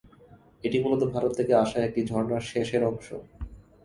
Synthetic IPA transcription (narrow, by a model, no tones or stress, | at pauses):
eʈimulot̪obʱaɾot̪ʰːekeaʃaek̚ʈid͡ʑʱɔɾnaɾʃeʃeɾɔŋʃo̰